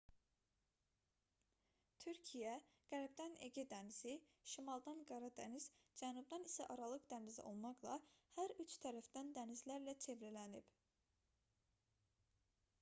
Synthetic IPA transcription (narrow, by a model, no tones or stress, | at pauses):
t̪ʰyɾcʰijæɡ̥æɾbd̪æneɟid̪æniziʃimɑlˠd̪ɑnɡɑɾɑd̪æniz̥d͡ʒænub̚d̪ɑnisæʔɑɾɑlˠɯqd̪ænizḭʔo̞̰lˠmɑqlˠɑ̰hæɾyt͡ʃt̪ʰæɾæfd̪̥ænd̪ænizlæɾlæt͡ʃʰe̞vɾælænib̥